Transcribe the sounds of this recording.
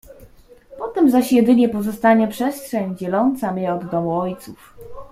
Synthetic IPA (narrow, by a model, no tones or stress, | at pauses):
pɔt̪ɛmzaɕjɛd̪ɘɲɛpɔzɔst̪aɲɛpʂɛstʂɛɲd͡ʑɛlɔnt̪samʲjɛɔd̪ːɔmuɔjt̪suf